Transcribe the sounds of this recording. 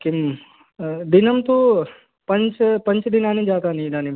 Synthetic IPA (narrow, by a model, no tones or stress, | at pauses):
kim | d̪ɪnəmt̪o | pɐ̃nt͡ʃpɐ̃nt͡ʃd̪ɪnaːnid͡ʒaːt̪anĩnaːni